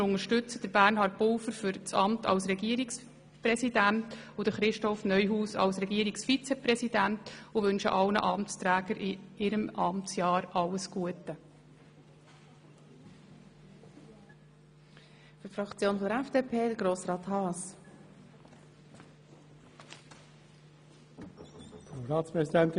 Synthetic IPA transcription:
ʊŋəɾʃtʏt͡səd̥əɾb̥ærnɦɑːɾt̚pʊwfəɾfʏɾt͡sɑmtʰɑ̰lsɾɛɡiəɾiks | prɛsidæntʊd̥əχɾɪʃtɔfnœʏɦuːsɑ̰lsɾɛɡiːəɾiksfit͡sɛpɾɛsid̥æntʊʋɵnʃə̰ʔɑlnə̰ʔɑmstɾæːɡəɾʔɪɪɾəmʔɑmtt͡sjɑːɾɑlːəsɡ̥uətə | fytfɾɑkt͡sjoːnfɔdəɾɛfd̥eːpʰeːd̥əɡɾoːsɾɑːt̪hɑːs | d̥əɾɑːtspʁɛsidɛnt̪

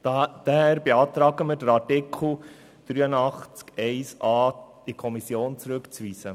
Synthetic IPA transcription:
d̥æhæːɾbeɑːt̪ɾɑːɡəməɾd̥əɾɑtɪkʰl̩ | d̥ɾyːənɑχt͡skɛɪsɑːd̥ikʰɔmisjoːnt͡sɾɵkt͡sʋiːsə

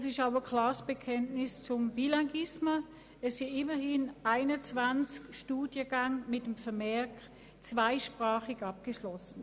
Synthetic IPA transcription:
sɪʃaʊəkʰlaːsb̥ekʰɛntnɪst͡sʊmb̥ilaɡɪsmə | ɛssiɪmɐhɪnaɪnət͡svant͡skʃtuːdjəɡaŋmɪtəmfəɐmɛɐk | t͡sv̥aɪʃpʁaːχɪɡɑp̚ɡ̥əʃlɔsn̩

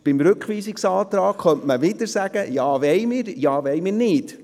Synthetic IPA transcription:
b̥ɪmɾɵkχʋiːsɪksɑːt̪ɾɑːkχœntməvɪdəɾsæɡ̥əjɑːʋɛɪmɪːɾjɑːʋɛɪmɪːrnɪt

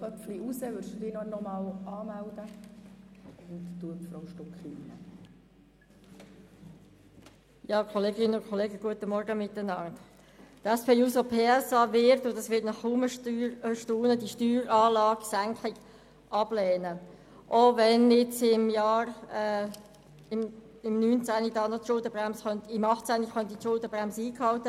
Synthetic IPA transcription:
bɔfliusəʋʏɾʃd̥uːdiːnɔnɔmɑːlɑːmældə | ʊntd̥uəfɾɔwʃtʊkχiinə̰ | jɑːkʰɔleːɡɪnːəʊnkʰɔleːɡəɡ̥uətəmɔɾɡəmɪt̪ːənɑnt | tɛspʰeːuːsopʰeːɛsɑʋɪɾt̪ʊnd̪ɑsʋɪtnɑχuməʃtuːnədiʃtyːɾɑːlɑːɡ̥sæŋkʰlɪɡ̥ | ʔɑb̥lɛːnə | ʔoʋɛnɪt͡sɪmjɑːɾ | ɪm | ɪmnyːnt͡sænidɑːnotʃʊldəb̥ʁæmsχœntɪmɑχtt͡sæniχœnt̪itʃʊldəbrɛmsiːkhɑltə

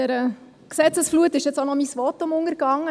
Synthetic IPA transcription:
ɛɾə | ksɛt͡səsfluətɪʃjɛt͡sonɔmisʋɔtːʊmʊŋəɾkɑŋːə

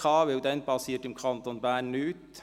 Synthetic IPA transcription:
ɑːʋeːʊd̪ɛnbɑseːʈɪmkʰɑnt̪onbæːɳʉːt̪

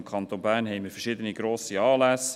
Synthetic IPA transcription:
mkʰɑnt̪oːnbæːɾnhɛɪməɾfəʃɪdəniɡɾoːsiɑːlæs

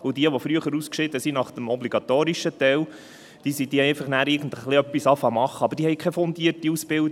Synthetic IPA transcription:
ʊd̥iəʋɔfɾyəχəɾuskʃɪd̪əsinɑχd̥̪əmɔbliɡ̥ɑt̪oːɾiʃət̪ɛl | d̥iəsid̥iːəɛjfɑχnæːɾɪɡən̩təχliœpːisɑfɑmɑχːəɑbəɾd̥iːhɛɪkʰɛfɔnd̪iərtiusb̥ɪl

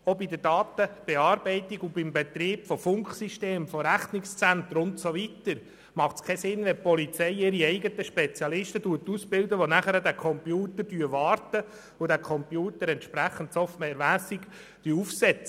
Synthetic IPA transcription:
ɔbid̪ədɑːt̪əb̥ɛɑːɾbɛɪt̪iɡubɪmbɛt̪ɾiːbfɔfʊŋkχsiʃteːmfɔɾæχnɪkst͡sænt̪əɾʊntsɔʋit̪əɾ | mɑχtskʰɛsɪnːʋɛpɔlit͡sɛɪɪɾiɛɪɡət̪əʃpɛt͡sijɑlɪʃtəduətːusb̥ɪld̪əʋonæχəɾədækʰɔmpjuːt̪əd̥yəʋɑːɾtə | ʊdækʰɔmpjuːtəɾɛntʃpɾæχən̩tsɔftmɛɾmæːsik | d̥yːufsɛt͡sə

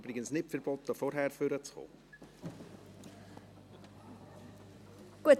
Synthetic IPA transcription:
bɾɪɡənsnɪtfɛɾb̥ɔt̪əfɔɾɦɛɾføɾət͡sχo̰ː | ɡ̥uət

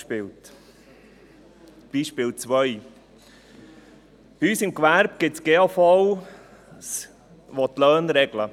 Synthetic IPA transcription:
pɪlt | b̥iːʃpɪːlt͡sʋœj | yːsɪmkʋæɾb̚ɡ̥ɪtsɡ̥eofɔw | s | ʋot̪lœːnɾɛɡ̥lə

